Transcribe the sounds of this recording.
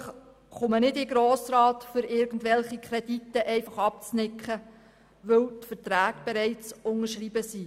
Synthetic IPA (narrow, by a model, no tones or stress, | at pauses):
χ | χʊmənɪdɪɡɾoːsɾɑːtfʏɾɪɾɡən̩dʋɛlχikʰɾɛditːəʔɛɪfɑχɑp̚t͡snɪkχə | ʋɵwt̪fətɾæːɡb̥ɛɾɛɪt͡sʊŋəʃriːbəsi